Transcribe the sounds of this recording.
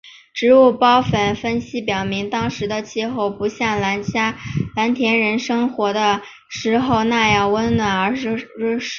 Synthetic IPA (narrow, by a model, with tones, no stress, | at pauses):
ʈ͡ʂɻ̩˧˥u˥˩pɑ˥ʊfə˨˩nfə˥nɕi˥pjɑ˨˩ʊmi˧˥ŋt̪ɑ˥ŋʂɻ̩˧˥d̪ə˧t͡ɕʰi˥˧xo˥˩ʊpu˧˥ɕjɑ˥˩ŋla˧˥nt͡ɕja˥la˧˥nt̪ʰjɛ˧˥nɻə˧˥nʂɤ˥ŋxwɔ˧˥d̪ə˧ | ʂɻ̩˧˥xo˥˧ʊna˥˧jɑ˥˩ʊwə˥nnwa˨˩nə˞˧˥ʂ̩˥˧˩